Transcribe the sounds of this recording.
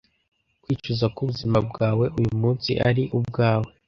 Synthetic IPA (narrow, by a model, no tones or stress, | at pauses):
kwiːt͡ʃuzakuβuzimab̚ɡaːwe̞ʔujumuːnsḭʔa̰ɾiʔub̚ɡaːwe̞